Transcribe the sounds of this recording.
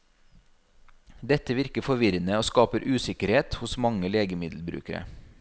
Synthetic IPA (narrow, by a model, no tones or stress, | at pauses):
d̪ɛt̪əʋɪɾkəfɔʋɪɾənəoːskɑːpəɾʔʉːsɪkəɾheːt̪hʊsmɑŋəleːɡəmɪd̪l̩bɾʉ̰ːkəɾə̰